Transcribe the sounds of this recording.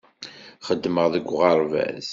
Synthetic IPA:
χəd̪ːməʁðəɡʷːʁɑɾˤvæ̰z

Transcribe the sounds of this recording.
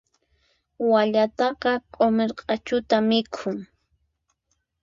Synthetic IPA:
waʎat̪ɑqɑqʼomeɾqʼɑt͡ʃʊt̪amɪkʰʊŋ

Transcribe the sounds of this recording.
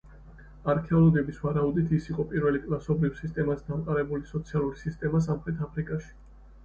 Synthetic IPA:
aɾkʰɛɔlˠɔɡɛbisvaɾaud̪it̪ʰisiqʼɔpʼiɾvɛlikʼlˠasɔbɾivsist̪ʼɛmasd̪amqʼaɾɛbulisɔt̪sʰialˠuɾisist̪ʼɛmas̬amχɾɛt̪ʰapʰɾikʼaʃi̥

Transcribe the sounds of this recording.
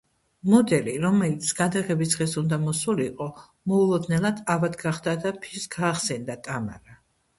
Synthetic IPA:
mɔd̪ɛliɾɔmɛlit̪sʰɡ̥ad̪aʁɛbisʁɛsund̪amɔsuliqʼɔ | mɔulˠɔd̪nɛlˠad̪avad̪ɡaχd̪ad̪apʰisɡaːχsɛnd̪at̪ʼama̰ɾa

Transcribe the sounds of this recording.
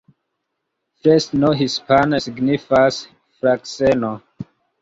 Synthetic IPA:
fɛstnoɦispanasiɡnifas | fɾakseno

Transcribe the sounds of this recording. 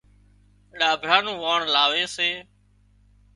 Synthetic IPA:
ɗaːbʱɾaːnũːʋaːɳlaːʋeːseː

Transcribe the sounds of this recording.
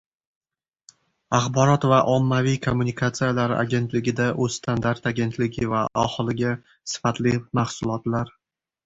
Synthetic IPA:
aχbɒɾɒt̪vaʔɒmːavijkʰomːunikʰat̪sijalaɾʔa̰ɡʲe̞nt̪lɪɡʲɪd̪aʔɵz̥st̪ʰand̪aɾt̪aɡʲe̞nt̪ʰlɪɡʲɪvaɒhɨlˠɪɡʲa | sɪ̥fat̪lɪmahsʊlˠɒt̪laɾ

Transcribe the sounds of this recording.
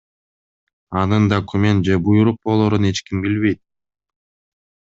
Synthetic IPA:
ɑnɯnd̪okumʲe̞nt̪̚d͡ʒe̞bujuɾuq̚bo̞lˠoɾune̞t͡ʃkimbilβe̞jt̪̚

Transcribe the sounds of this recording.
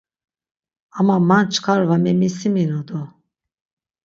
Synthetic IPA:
amamant͡ʃʰkʰaɾvamɛmisiminɔd̪ɔ

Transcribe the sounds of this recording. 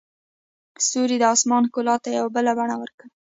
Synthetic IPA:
soɾid̪əɑsmɑnkolɑt̪ajawabəlabaɳawəɾkə

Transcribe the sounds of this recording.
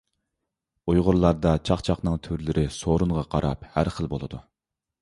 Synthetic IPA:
ujʁʊɾlˠɑɾd̪ɑt͡ʃʰɑχt͡ʃʰɑχnɨŋt̪ʰyɾlɪɾʔɪsoɾuɴʁɑqʰɑɾʔɑ̰phæɾχəlˠbolˠɨd̪u

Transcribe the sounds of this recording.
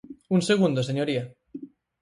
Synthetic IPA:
unseɣ̞und̪oseɲoɾia

